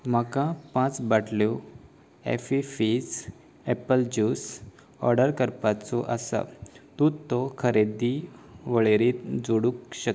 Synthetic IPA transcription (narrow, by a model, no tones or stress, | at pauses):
m̤əkãpãt͡sbaʈʰljo | ɛ̰fifis | ɛpəld͡ʑuːs | ɔ̰ɾɖəɾkəɾpat͡sɔʔəsa̰t̪ut̪ːɔkʰəɾed̪iʋəɭeɾit̪d͡zoɽũkɕək